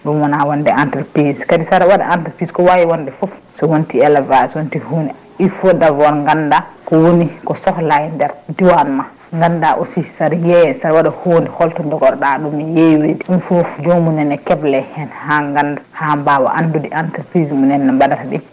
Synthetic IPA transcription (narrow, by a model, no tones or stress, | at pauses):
ɗumwanawandɛantɛɾpɾiskadisaɾwaɗa̰ʔantɛɾpiskɔwawiwɔndɛfof | sɔwontiɛlavaswontihoni | ifɔdavɔɾŋɡandakɔwonikɔsɔhlajndɛɾdiwanma | ŋɡandaʔosisaɾjɛjɛsaɾwaɗahondihɔltɔɲd͡ʒɔɡɔɾɗaɗumjejwediɗumfofd͡ʒomunɛnːɛkɛblɛhɛnhaŋɡandahambawa̰ʔa̰ndudiʔantɛɾpɾismunɛnːambadataɗi